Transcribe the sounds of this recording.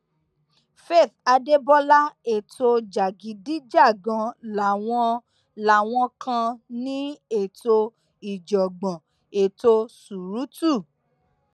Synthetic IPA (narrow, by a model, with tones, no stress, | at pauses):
fe˦˨θa˧de˦bɔ˦la˦e˦˨to˧d͡ʒa˨ɡi˨˦di˦d͡ʒa˦˨ɡã˧la˨w̃ɔ̃˧ | la˨w̃ɔ̃˧kʰã˧nĩ˦e˦˨to˧ | i˨d͡ʒɔ˨ɡ͡bɔ̃˨ | e˨to˧su˨ɾu˨˦tu˦˨